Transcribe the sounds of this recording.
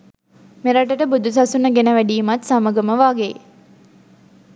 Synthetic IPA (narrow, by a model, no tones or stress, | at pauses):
meɾaʈəʈəbud̪ʱusasunəɡenəʋæɖiːmat̪saməɡəməʋaːɡe